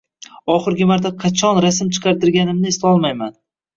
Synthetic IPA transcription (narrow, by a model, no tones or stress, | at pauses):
ɒχɨɾɡʲɪmaɾt̪ʰaqʰɑt͡ʃʰɒnɾasɪmt͡ʃʰɨ̥qʰɑɾt̪ɪɾɡʲanɪmnɪest̪aɒlˠmajman